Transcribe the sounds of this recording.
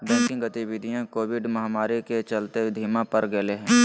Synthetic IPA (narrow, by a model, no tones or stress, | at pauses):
bɛ̃ːŋkɪ̃ŋɡət̪iʋɪd̪ʱijãkoːbɪɖmɐɦamaːɾiket͡ʃəlt̪ed̪ʱiːmãpəɾɡɛleɦɛ̃ː